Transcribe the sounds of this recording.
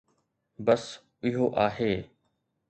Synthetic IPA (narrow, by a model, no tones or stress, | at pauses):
bəs | ɪɦoːʔaːɦeː